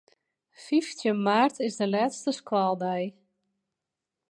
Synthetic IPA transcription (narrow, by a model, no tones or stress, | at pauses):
fiftjəmaːrtʰɪzdəlɛːtstəskwɔlˠdɛj